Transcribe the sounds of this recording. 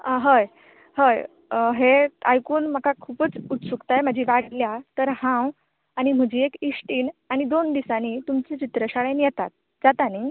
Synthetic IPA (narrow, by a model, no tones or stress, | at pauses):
ɦəj | həj | ɦeajkuːnm̤əkakʰuːpət͡sut̪sukt̪ajməd͡ʑʱiːʋaɽljat̪əɾhãw | aɽ̃im̤əd͡ʑiːekisʈiːnaɽ̃id̪ond̪isanit̪umt͡set͡ɕit̪ɾəɕaɭenjɛt̪at̪̚ | d͡zat̪ani